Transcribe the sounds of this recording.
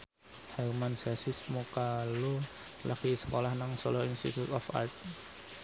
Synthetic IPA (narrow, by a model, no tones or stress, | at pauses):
hɛmansɛsɪsmukalu | lakisəkolahnaŋsoloinst̪ḭt̪ut̪ɔfa̰rt̪̚